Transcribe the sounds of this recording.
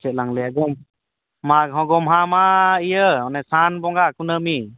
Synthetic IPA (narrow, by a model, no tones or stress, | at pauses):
t͡ʃɛt̚laŋlɛjaɡɔm | maɦɔɡɔmɦamaijəɔnɛsanbɔŋɡakunəmi